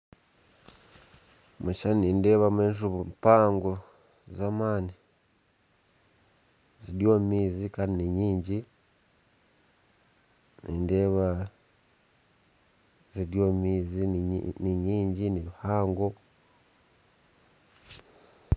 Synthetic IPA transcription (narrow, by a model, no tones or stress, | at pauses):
muʃaninde̞βameːnʃ̬uβumpaːŋɡo | zamaːni | ziɾjoːmmiːzikaːndiniɲiːɲɟi | niːnde̞ːβa | ziɾjoːmiːziniɲiːɲɟiniβihaːŋɡo